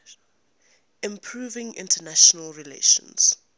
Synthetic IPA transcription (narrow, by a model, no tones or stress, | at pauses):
ɪ̃mpʰɹuːvɪ̃ŋɪ̰̃ntʰənaʃɔnəlɹilḛʃə̰̃ns